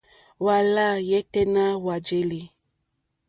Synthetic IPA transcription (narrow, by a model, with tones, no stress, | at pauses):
wa˨la˦˨jɛ˦tɛ˦nã˦wa˨d͡ʒe˦li˨